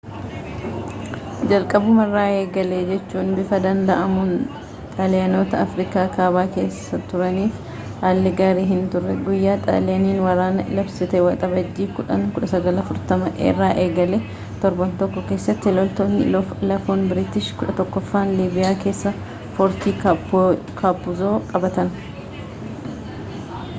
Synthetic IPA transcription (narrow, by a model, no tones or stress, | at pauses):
d͡ʒɐlkʼɐbʊmɐrːaːʔeːɡɐled͡ʒɛt͡ʃːuːnbɪfɐd̪ɐnd̪ɐʔɐmʊn | t̪ʼɐlɛɐnoːt̪ɐːfɾikaːkaːbaːke̞ːsːɐt̪ʊɾɐniːf | haːlːɪɡaːɾiːɦɪnt̪ʊrːɛɡʊjːaːt̪ʼɐ̰ːlɛɐniːnwɐɾaːnɐʔɪlɐbsɪt̪ɛwɐt̪ʼɐbɐd͡ʒːiːkʊᶑɐŋkʊᶑɐsɐɡɐlɐfʊɾt̪ɐmɐʔḛːrːaːʔeːɡɐlɛ | t̪ɔɾbɐnt̪ɔkːɔke̞ːsːɐt̪ːɪlɔlt̪oːnːɪ̰lɐfoːnbɪɾɪt̪ɪʃkʊᶑɐt̪ɔkːɔfːaːnliːbɪjaːke̞ːsːɐ | fɔɾt̪iːk | kʰaːpːʊzo̞ːkʼɐbɐt̪ɐn